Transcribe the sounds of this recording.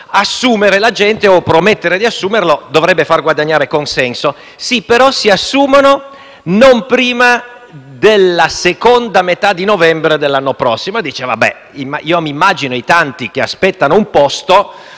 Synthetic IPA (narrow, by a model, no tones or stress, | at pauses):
asːuːmeɾelad͡ʒɛnt̪eopɾomet̪ːeɾed̪iasːuːmerlod̪ovɾɛbːefarɡwad̪aɲːaːɾekonsɛnso | sipeɾɔsiasːuːmano | nompɾiːma | d̪elːasekond̪amet̪ad̪inovɛmbɾed̪elːanːopɾɔsːimod̪iːt͡ʃeva̰bɛ̰ | imːaiːomimːaːd͡ʒinoit̪ant̪ikeaspɛt̪ːanoumpɔst̪o